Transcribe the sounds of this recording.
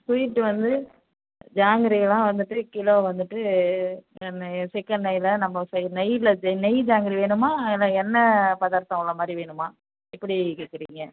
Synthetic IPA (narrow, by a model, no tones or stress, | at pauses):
sʊjɪʈːɯʋɐnd̪ɯ | d͡ʒaːŋɡɪɾiɣɐlãːʋɐnd̪ɯʈːɯkɪloːʋɐnd̪ɯʈːɯ | sɪkːɐɳɖnɐjlɐnɐmːɐsnɐjlɐd͡ʒnɛjd͡ʒaːŋɡɪɾiʋeːɳɯmaːɛlãːɛnːɐpɐðaːɾt̪ɐ̃ŋɡɭɐmaːd̪ɾiʋeːɳɯmaː | ɪpːɐɽikeːkːɪɾḭːŋɡɐ